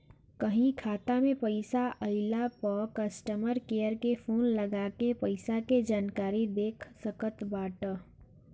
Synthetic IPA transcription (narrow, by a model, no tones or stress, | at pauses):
kəɦĩkʰaːt̪amẽpəɪsaʔəɪlapəkəsʈəməɾkeːjəɾkefʰoːnləɡaːkepəɪsaked͡ʒaːnkaːɾid̪eːkʰsəkət̪baːʈə